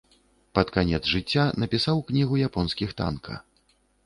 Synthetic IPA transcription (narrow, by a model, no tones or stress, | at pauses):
pɐt̪kanʲɛd̪zʐɨt͡sʲːanɐpʲisawknʲiɣujapɔnskʲixt̪a̰nkʰɐ̰